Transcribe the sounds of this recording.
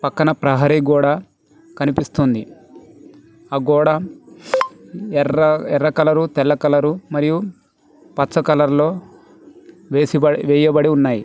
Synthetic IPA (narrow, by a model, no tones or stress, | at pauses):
pɐkːɐnɐpɾɐɦɐɾiɡuːɽaː | kɐnipist̪und̪i | ɐɡuːɽaː | ɛɐɛɾːɐkɐlɐɾut̪ɛlːɐkɐlɐɾumɐɾiju | pɐsɐkɐlɐɾlo̞ː | ʋesiɐʋɛːjɐbɐɽiunːaːji